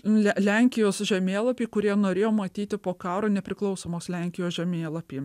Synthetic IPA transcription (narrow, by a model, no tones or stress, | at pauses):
lʲlʲɛŋʲkʲɪjoːsʒʲɛmʲeːlˠɐpʲiːkʊɾʲiɛnoːɾʲeːjoːmɐt̪ʲiːt̪ʲɪpoːkɑːɾoːnʲɛpʲɾʲɪklˠɒʊsoːmoːslʲɛŋʲkʲɪjoːsʒʲɛmʲeːlˠɐpʲiː